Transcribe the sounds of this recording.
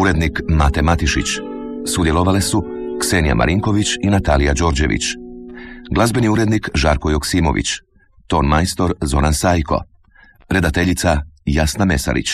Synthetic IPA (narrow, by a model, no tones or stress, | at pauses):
uɾe̞d̪nikmat̪e̞mat̪iʃit͡ɕsud̪je̞lˠoʋalesuksenija̰mʔa̰ɾiŋko̞ʋit͡ɕinat̪aːlijad͡ʒo̞ɾd͡ʑe̞ʋḭt͡ɕ | ɡlˠazbeniuɾe̞d̪nikʒaːɾkojoksiːmo̞̰ʋḭt͡ɕ | t̪o̞ːnmajst̪o̞ɾzo̞ɾansaːjkʰo̞̰ | pɾe̞d̪at̪eʎit̪sajasname̞sa̰ɾḭt͡ɕ